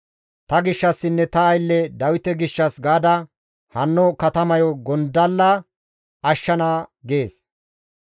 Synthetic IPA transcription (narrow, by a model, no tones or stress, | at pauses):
t̪ɐɡɪʃːɐsːɪnːɛt̪ɐːjlːɛd̪ɐwɪt̪ɛɡɪʃːɐsɡaːd̪ɐ | hɐnːɔkɐt̪ɐmɐjɔɡɔnd̪ɐlːɐ | ɐʃːɐnaːɡe̞ːs